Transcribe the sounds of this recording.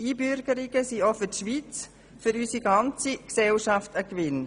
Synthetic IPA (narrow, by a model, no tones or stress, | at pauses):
iːbʏɾɡəɾiɡəsiofətʃʋit͡s | fʏɾysiɡɑnt͡siksɛlʃɑftəkʋɪn